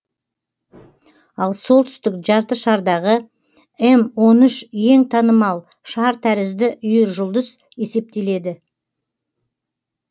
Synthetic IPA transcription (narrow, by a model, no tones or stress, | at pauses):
ɑlˠso̞lˠt̪ʏ̥st̪ɪkʒɑɾt̪əʃɑɾd̪ɑʁə | emwo̞nʏʃje̞ŋt̪ʰɑnəmɑlˠ | ʃɑɾt̪ʰæɾɪzd̪ɪʔʏjɪɾʒʊlˠd̪əz̥ | e̞se̞p̚t̪e̞le̞d̪ɪ